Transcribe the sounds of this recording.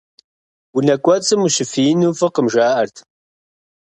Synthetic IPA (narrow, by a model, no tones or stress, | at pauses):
wunɐkʷʼɔt͡sʼɨmuɕɪfiːnuːfɨqəmʒaːʔɐrtʰ